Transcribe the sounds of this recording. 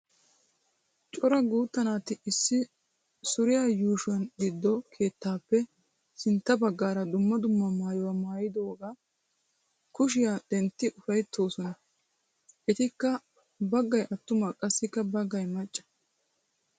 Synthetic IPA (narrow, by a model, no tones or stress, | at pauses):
t͡ʃʼɔɾɐɡuːt̪ːɐnaːt̪ɪɪsːɪ | sʊɾɪjaːjuːʃʊwɐnɡɪd̪ːɔkʰe̞ːt̪ːaːpːɛ | sɪnt̪ːɐbɐɡːaːɾɐd̪ʊmːɐd̪ʊmːɐmaːjɔwɐmaːjɪd̪o̞ːɡaː | kʊʃ̬ɪjaːd̪ɛnt̪ːɪʔʊfɐjt̪ʰːo̞ːsɔnɐ | ʔɛt̪ɪkːɐ | bɐɡːɐjʔɐt̪ːʊmakʼɐsːɪkːɐbɐɡːɐjmɐt͡ʃʼːɐ̥